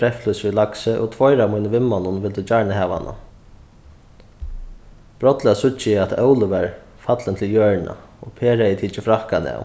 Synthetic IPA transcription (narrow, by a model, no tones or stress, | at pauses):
ɾɛflujsvilaksɪʔɔ̰t̪ʰvɔjɾamujnəʋɪmːanʊnʋɪlt̪ɪt͡ʃaɹɳəɦɛːʋa̰na̰ | b̥ɾɔt̪lɪasʊt͡ʃːɪɪat̪œwlɪʋɛɹ | fat̪lənt̪ʰɪljœːɹɳa̰ɔpʰeːɾajɪt̪ʰiːt͡ʃɪfɾahkanɪ̰a̰w